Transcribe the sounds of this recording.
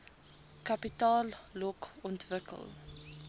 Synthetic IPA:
kɐpitɑːlːɔkɔntvəkə̰lˠ

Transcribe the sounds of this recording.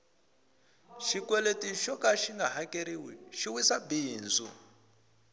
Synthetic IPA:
ʃikwɛletiʃɔkaʃiŋɡaɦakʼeɾiwiʃiwisabiːnd͡zṵ

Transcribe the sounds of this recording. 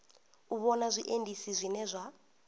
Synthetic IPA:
uβɔnazʷiʔendʱisizʷinɛzʷa

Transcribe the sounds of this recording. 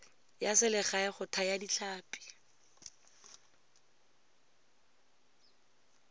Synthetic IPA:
jasɪlɪχaɪχʊtʰajadit͡ɬʰaːpʼi̥

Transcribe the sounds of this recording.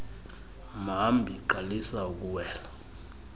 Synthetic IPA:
m̤ambʱiǃalisauk̬ʼuwɛːla

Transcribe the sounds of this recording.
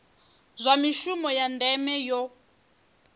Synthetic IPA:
zʷamiʃumɔjandɛmɛjɔ

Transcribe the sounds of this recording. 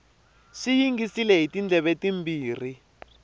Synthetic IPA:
ʂijiŋɡisilɛɦitind͡ɮʱɛβetimbiːr̤i

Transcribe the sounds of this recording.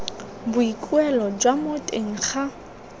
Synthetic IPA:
bʊikʼwɛlɔd͡ʒwamotʼeŋ̩χa

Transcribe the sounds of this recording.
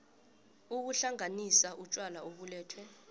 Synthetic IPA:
uk̬uɬaŋanisaʔut͡ʃʼwalaoɓulɛːtʰwɛ

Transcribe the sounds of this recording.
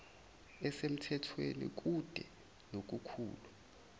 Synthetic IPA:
ɛsem̩tʰɛtʰwenḭk̬ud̥ʱɛ̰ | nok̬ukʰṵːlu

